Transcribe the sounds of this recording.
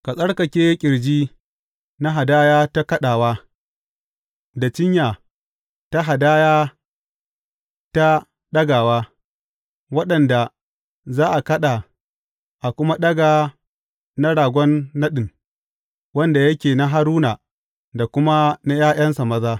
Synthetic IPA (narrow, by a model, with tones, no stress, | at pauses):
ka˨sʼɐ˦ɽkɐ˨kʲeː˦kʲʼɪ˨ɽd͡ʒiː˦ | na˦ɦa˨daː˦jaː˦ta˦kɐ˦ɗaː˨waː˦ | da˨t͡ʃɪ˦ɲjaː˨ | ta˦ɦa˨daː˦jaː˦ | ta˦ | ɗɐ˦ɡaː˨waː˦ | wɐ˦ɗɐ˨nda˨ | zaː˦ʔa˨kɐ˦ɗa˨ | ʔa˨kʷʊ˦ma˦ɗɐ˦ɡaː˨ | na˦ɽaː˨ɡʷɔ˦nːɐ˦ɗɪ˨n | wɐ˦nda˨jɐ˦kʲeː˨na˦ɦa˦ɾuː˦naː˨ | da˨kʷʊ˦ma˦na˦jaː˦j̰ɐ˦nsa˨mɐ˦zaː˦